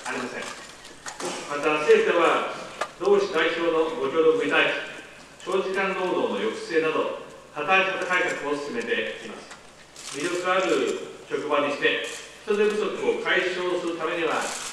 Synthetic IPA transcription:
aɾʲimasẽ̞̰ŋ̃ | mat̪ase̞ːt̪eβad̪̥o̞ːɕi̥t̪aiɕo̞ːno̞ɡo̞kʲo̞ːd̪omɯ̟it̪ai̥ | t͡ɕo̞ːʑikãnd̪o̞ːd̪o̞ːno̞jo̞kɯ̟̥se̞ːnad̪o̞̰ | hat̪aɾat̪it̪ak̪aikakɯ̟o̞sɨ̥sɨme̞t̪e̞ima̰sɨ̥ | mʲiɾʲo̞kɯ̟ɡaɾɯ̟ɯoɕo̞kɯ̟baɲ̟iɕi̥t̪e̞çi̥t̪o̞d̪e̞bɯ̟so̞kɯ̟o̞kaiɕo̞ːsɨɾɯ̟t̪ame̞ɲ̟iβa̰

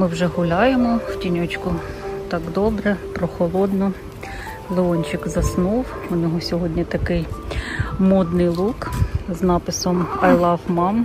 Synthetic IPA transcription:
mɪwʒɛɦʊlʲɑjemɔwtʲinʲɔt͡ʃkʊt̪ɑɡd̪ɔbɾɛpɾɔxɔlˠɔd̪nʊ | lˠeɔnʲt͡ʃɪkzɐsnuw | ʊnʲɔɦɔsʲɔɦɔdʲnʲit̪ɐkɪj | mɔd̪nɪjlˠukznɑpɪsɔmɐjlˠɑfmɑm

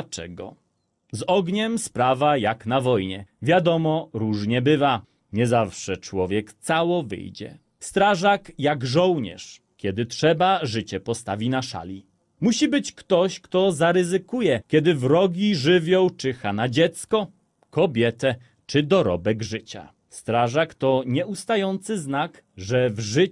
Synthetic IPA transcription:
t͡ʂɛ̰ɡɔ̰ | zɔɡɲɛmspɾavajaknavɔjɲɛvʲjad̪ɔmɔɾuʐɲɛbɘva | ɲɛzafʂɛt͡ʂwɔvʲjɛkt̪sawɔvɘ̰jd͡ʑɛ̰ | st̪ɾaʐakjaɡʐɔwɲɛ̰ʂ | kʲjɛd̪ɘtʂɛbaʐɘt͡ɕɛpɔst̪avʲinaʂa̰lʲi | muɕibɘt͡ɕkt̪ɔɕkt̪ɔzaɾɘzɘkujɛkʲjɛd̪ɘvɾɔɡʲiʐɘvʲjɔ̃wt͡ʂɘxanad͡ʑɛt̪skɔ | kɔbʲjɛt̪ɛ | t͡ʂɘd̪ɔɾɔ̰bɛɡʐɘt͡ɕa̰ | st̪ɾaʐakt̪ɔɲɛust̪ajɔnt̪sɘznak | ʐɛvʐɘ

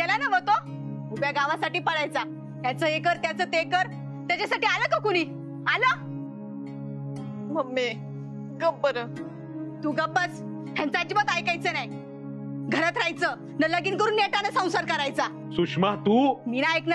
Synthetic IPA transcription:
kɛlanəʋət̪o | mubjaɡaʋasaʈiːpəɽajt͡sa | t̪jat͡səekəɾt̪jat͡sət̪ekəɾ | t̪jat͡ɕasaʈiːaləkəkuɽ̃iː | alə | məmːe | ɡəbːəɾə | t̪uːɡəbət͡s | ɦʰjãnt͡sat͡ɕibət̪ajkajt͡senaj | ɡʱəɾət̪ɾajt͡sə | nələɡiːnkəɾuːnːeʈanəsãw̃saɾkəɾajt͡sa | suʂmat̪uːminaeknə

